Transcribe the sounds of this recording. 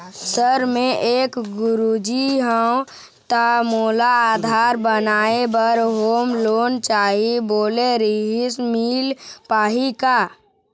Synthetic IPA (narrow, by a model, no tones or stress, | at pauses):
səɾmẽʔeːkɡʊɾud͡ʒiɦəw | t̪amoːlaaːd̪ʱaːɾbənaːebəɾɦoːmloːnt͡ʃaːɦiboːleɾiɦismiːlpaːɦikaː